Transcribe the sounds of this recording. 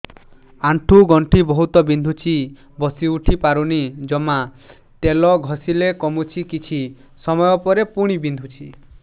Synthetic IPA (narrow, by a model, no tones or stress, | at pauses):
aɳʈʰuɡɔɳʈʰibɔɦut̪ɔbind̪ʱut͡ʃʰi | bɔsiuʈʰipaɾunid͡ʒɔma | t̪elɔɡʱɔsilekɔmut͡ʃʰikit͡ʃʰi | sɔmɔjɔpɔɾepuɽ̃ibind̪ʱut͡ʃʰi